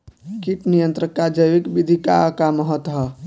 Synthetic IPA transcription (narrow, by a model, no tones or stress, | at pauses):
kiʈnijənt̪ɾəkːad͡ʒəjʋikbid̪ʱikakaməɦət̪ɦə